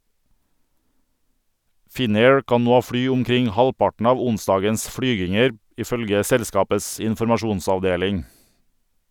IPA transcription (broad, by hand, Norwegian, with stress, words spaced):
ˈfɪˌneːɹ ˈkɑːn ˈnoː ˈfɽyː ʊmˈkɾɪŋ ˈhɑlˌpɑʈn̩ ˈɑːʋ ˈʊnˌsdɑːɡəns ˈfɽyːɡɪŋəɾ ˈiː ˈfœlɡə ˈsɛlˌskɑːpəs ɪnfɔɾmɑˈʃuːnsɑʋˌdeːlɪŋ